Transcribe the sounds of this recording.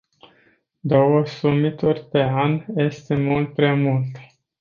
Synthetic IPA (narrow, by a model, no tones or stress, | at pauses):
d̪o̞wəsumit̪urʲpe̞anje̞st̪e̞mult̪̚pɾeamult̪